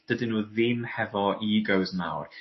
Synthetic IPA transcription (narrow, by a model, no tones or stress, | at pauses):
d̥ədɪnuːðɪmhɛvɔʔiɡəwzma̰wr